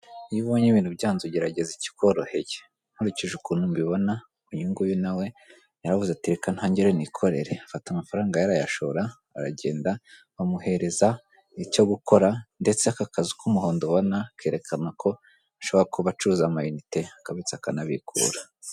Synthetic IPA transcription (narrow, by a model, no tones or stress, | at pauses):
iβo̞ɲeβiːn̥uβjaːnzoɟeɾaɟe̞zici̥ko̞ɾo̞heje̥ | n̥huɾiciʒukunumbiβo̞na | uɲuŋɡujunawe̞ | jaɾavuzeatiɾekan̥haːɲɟeɾenikʰo̞ɾe̞ɾeafatamafaɾaːŋɡajaɾajaʃoɾa | a̰ɾa̰ɟe̞̰ːnda | βamuhe̞ɾe̞za | icoɡuko̞ɾande̞t͡seakakʰazi̥kumuhoːndoβonakʰeːɾe̞kʰanakʰo̞ | aʃo̞βoɾakuβat͡ʃuuzamajunite̞akaβit͡sakanaβḭkʰṵːɾḁ